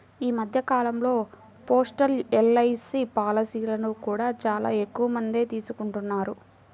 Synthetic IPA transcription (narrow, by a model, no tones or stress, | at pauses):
iːmɐd̪ʱjɐkaːlɐmlo̞ː | po̞ːsʈɐlɛlːɐjsipaːlɐsiːlɐnukuːɽaːt͡ʃaːla̰ːe̞kːuʋɐmɐnd̪e̞ːt̪iːsukuɳʈunːaːɾu